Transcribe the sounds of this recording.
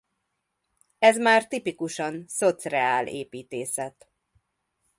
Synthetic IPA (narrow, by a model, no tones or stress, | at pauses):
ɛzmaːrt̪ipikuʃɒnsot̪srɛaːlḛːpiːt̪eːsɛt̪